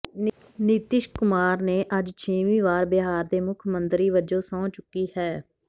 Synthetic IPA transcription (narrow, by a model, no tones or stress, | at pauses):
niːt̪ɪʃkʊmaːɾneːʔəd͡ʒt͡ʃʰeːʋĩːʋaːɾbɪɦaːɾd̪eːmʊkʰmənd̪ɾiːʋəd͡ʒõːsãːt͡ʃʊkːiːhɛː